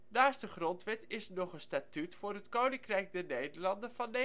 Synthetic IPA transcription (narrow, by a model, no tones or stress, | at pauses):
naːstdəχrɔntʋɛtɪsnɔχənstaːtytfʊːɹɦətkownɪŋkrɛjk̚dɛɹnejdəɹlɑndənvɑne